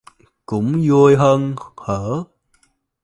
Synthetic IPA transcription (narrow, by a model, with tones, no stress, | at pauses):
kʊ̰˧˥ŋ͡mzu˧əjɦəː˧nhəː˧˩˦